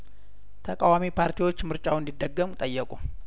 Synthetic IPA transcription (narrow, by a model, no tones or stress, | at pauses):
t̪ʰəkʼawamipʰaɾt̪ʰiwo̞t͡ʃːmɨɾt͡ʃʼawɨnd̪id̪ːəɡːəmut̪ʼəjːəkʼu